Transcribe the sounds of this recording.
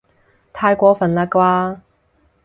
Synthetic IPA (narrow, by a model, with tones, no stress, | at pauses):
t̪ʰaː˧jkʷɔː˨˧˥fɐ˨˩nlaː˧kwaː˧